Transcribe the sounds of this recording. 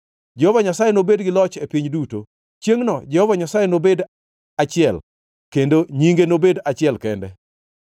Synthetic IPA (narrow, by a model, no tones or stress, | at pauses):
d͡ʒɛhɔvaɲasajɛnobedɡɪlɔt͡ʃepiɲduto | t͡ʃjeŋnɔd͡ʒɛhɔvaɲasajɛnobed | at͡ʃɪɛl | kendoɲiŋɡenobedat͡ʃɪɛlkɛndɛ̰